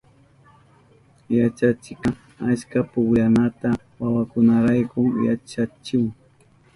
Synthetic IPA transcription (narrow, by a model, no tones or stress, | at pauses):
jat͡ʃat͡ʃɪka | askapʊkʎanat̪a | wawakʊnaɾajkʊŋja̰t͡ʃat͡ʃɪŋ